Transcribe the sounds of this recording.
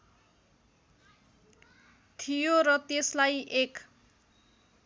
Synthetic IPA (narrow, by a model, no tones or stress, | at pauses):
t̪ʰijoɾʌt̪eslajʔek